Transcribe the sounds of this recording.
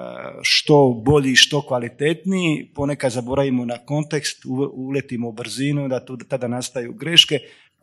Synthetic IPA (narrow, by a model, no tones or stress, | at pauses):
ʃt̪o̞bo̞ʎiʃt̪o̞kʋalit̪e̞t̪nijipo̞ne̞kad̪zabo̞ɾaʋimo̞nako̞nt̪e̞kst̪uulet̪imoubɾ̩zinud̪at̪uːt̪ad̪anast̪ajuɡɾe̞ʃke̞